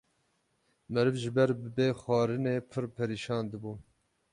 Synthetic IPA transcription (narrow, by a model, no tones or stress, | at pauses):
mɛɾɨvʒɪbɛɾbɨbeːxɑːɾɨneːpʰɨɾpʰɛɾiːʃɑːnd̪ɨbuː